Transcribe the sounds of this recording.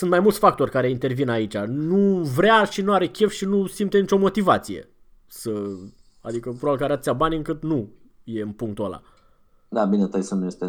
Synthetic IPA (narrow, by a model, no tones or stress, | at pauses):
sɨnt̪majmult̪ʲfak̚t̪o̞rʲkaɾe̞int̪e̞rvinait͡ʃʲanuvɾeaʃinuaɾe̞kʲe̞fʃinusimt̪enit͡ʃo̞mo̞t̪ivat̪sije̞̰ | sə | a̰d̪ikəpɾoalkaɾeat̪t̪siabaniɨŋkɨt̪nu | je̞ɨnpuŋk̚t̪ola̰ | d̪abinet̪əjsənjest̪e